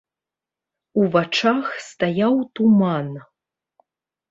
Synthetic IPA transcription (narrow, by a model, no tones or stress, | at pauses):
uvat͡ʂaxst̪ajawt̪uman